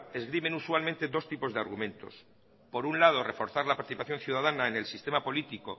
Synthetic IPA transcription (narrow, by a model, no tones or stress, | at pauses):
e̞zɣɾime̞nuswalment̪e̞d̪o̞st̪ipo̞zðeaɾɣumẽ̞nt̪o̞̰s | po̞ɾunlað̞o̞re̞fo̞ɾθaɾlapaɾt̪iθipaθjo̞nθjuðaðanaene̞lsist̪e̞mapo̞lit̪iko̞̰